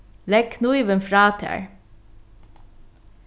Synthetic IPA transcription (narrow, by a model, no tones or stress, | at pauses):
lɛɡkʰnuɪʋənfɾɑːt̪ʰæ̰ːɹ